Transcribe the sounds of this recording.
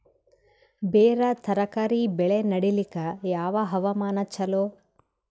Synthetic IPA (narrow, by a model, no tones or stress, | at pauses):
beːɾɐt̪ʰɐɾɐkɐɾibɛɭenɐɽilikɐjaːʋɐɦɐʋɐmaːnɐt͡ʃːɐloː